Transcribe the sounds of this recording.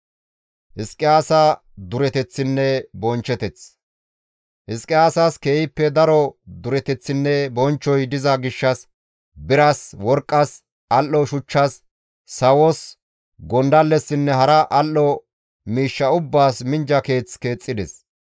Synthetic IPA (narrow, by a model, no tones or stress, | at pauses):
hɪskʼːɪaːsaː | d̪ʊɾɛt̪ɛt͡sːɪnːɛbɔnt͡ʃːɛt̪ɛt͡s | hɪskʼːɪaːsaːske̞ːjɪpːɛd̪ɐɾɔd̪ʊɾɛt̪ɛt͡sːɪnːɛbɔnt͡ʃːɔjd̪ɪzɐɡɪʃːɐs | bɪɾaswɔɾkʼːɐs | ɐlːɔʃʊt͡ʃːasː | ɐwɔs | ɡɔnd̪ɐlːɛsːɪnːɛɦɐɾɐʔɐlːɔ | miːʃːɐʊbːaːsmɪnd͡ʒɐke̞ːt͡ske̞ːt͡sʼːɪd̪ɛ̰s